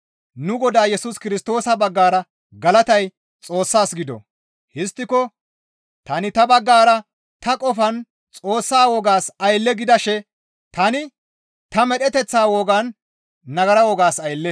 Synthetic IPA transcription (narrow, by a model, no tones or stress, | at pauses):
nʊɡɔd̪aːjɛsʊskɪɾɪst̪o̞ːsɐbɐɡːaːɾɐ | ɡɐlɐt̪ɐj | t͡sʼo̞ːsːaːsɡɪd̪ɔ̰ | hɪst̪ːɪkɔ | t̪ɐnɪt̪ɐbɐɡːaːɾɐ | t̪ɐkʼɔfɐn | t͡sʼo̞ːsːaːwɔɡaːsɐjlːɛɡɪd̪ɐʃɛ | t̪ɐnɪ | t̪ɐmɛɗɛt̪ɛt͡sːaːwɔɡɐnː | ɐɡɐɾɐwɔɡaːsɐjlːɛ